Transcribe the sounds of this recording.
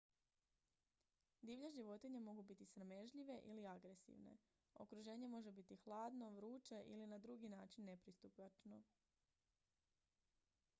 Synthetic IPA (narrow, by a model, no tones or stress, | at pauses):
d̪iːʋʎaʒiʋo̞t̪iɲemo̞ɡubit̪isɾame̞ʒʎiʋe̞ʔiliaɡɾe̞sḭʋne̞̰ | o̞̰kɾuʒe̞ːɲe̞mo̞ʒe̞bit̪ixlˠaːd̪no̞ʋɾuːt͡ʃeʔḭlinad̪ɾuɡinaːt͡ʃinːe̞pɾist̪upat͡ʃno̞